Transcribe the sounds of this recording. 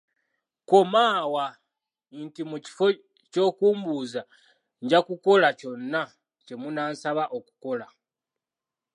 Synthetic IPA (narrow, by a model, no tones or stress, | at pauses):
ko̞maːwa | ntimuci̥fo̞ | co̞ːkuːmbuːza | ɲɟakuko̞laco̞nːa | ce̞munaːnsaβaʔo̞ku̥ko̞la